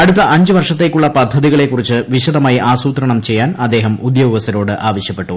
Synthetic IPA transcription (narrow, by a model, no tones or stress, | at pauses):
ɐɽut̪̬ːɐʔɐɲd͡ʑɨʋɐrʂɐt̪ːe̞kːuɭːɐpɐd̪ʱːɐðiɣɐɭe̞kːurit͡ɕːɨʋiɕɐðɐmaːjiʔaːsuːt̪ɾɐɳɐmt͡ɕe̞jːaːnɐd̪ːe̞ːɦɐmud̪joːɣʋɐsɐɾo̞ːɽɨʔaːʋɐɕjɐpːe̞ʈːu